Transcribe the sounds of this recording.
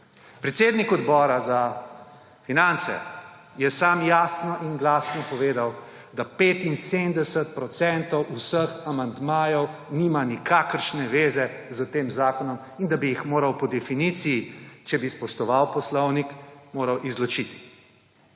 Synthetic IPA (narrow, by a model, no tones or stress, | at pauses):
pɾɛt̪seːd̪nikɔd̪bɔːɾaza | finant̪sɛ̰ | jɛsaːmjaːsnɔʔinɡlasnɔpɔʋeːd̪aw | d̪apeːt̪insemd̪ɛsət̪̚pɾɔt̪sɛnt̪ɔwʔusəxamand̪maːjɔwniːmanikakəɾʃnɛʋeːzɛ | zat̪eːmzaːkɔnɔm | ind̪abijixmoːɾawpɔd̪ɛfinit̪sijit͡ʃɛbispɔʃt̪ɔʋawpɔslɔwnikmoːɾawʔizlɔt͡ʃit̪i̥